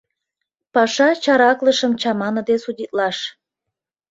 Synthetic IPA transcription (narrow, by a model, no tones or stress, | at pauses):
pɑʃɑt͡ɕɑɾɑkləʃəmt͡ɕɑmɑnəd̪esudʲit̪̚lɑʃ